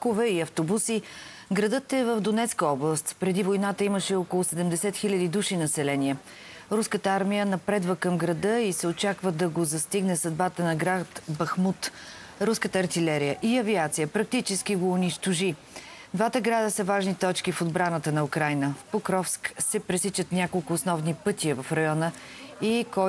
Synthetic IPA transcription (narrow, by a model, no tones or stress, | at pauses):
kovɛiɐft̪obusi | ɡɾɐd̪ɤt̪ɛvəvd̪onɛt̪skəɔblˠəst̪pɾɛd̪ivojnat̪əiməʃɛɔkolˠʊsɛd̪ɛmd̪ɛsɛt̪xilʲəd̪id̪uʃinɐsɛlɛniɛ | ɾuskət̪əaɾmijənɐpɾɛd̪vəkəmɡɾɐd̪ɤisɛot͡ʃakvəd̪ɐɡozɐst̪iɡnɛsɐd̪bat̪ənɐɡɾat̪bɐxmut̪ | ɾuskət̪əːɾt̪ilɛɾijəʔiɐviat̪sijəpɾɐk̚t̪it͡ʃɛsk̟iɡoːniʃt̪oʒi | d̪vat̪əɡɾad̪əsəvaʒnit̪ɔt͡ʃkifod̪bɾanət̪ənɐukɾajnəpokɾɔfsksɛpɾɛsit͡ʃət̪nʲakolˠkʊːsnɔvnipɤt̪iəvɐfɾɐjɔnə | ikɔ